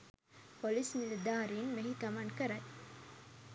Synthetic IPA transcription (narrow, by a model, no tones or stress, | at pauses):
polismiled̪aːɾiːnmeɦikɐmankəɾɐj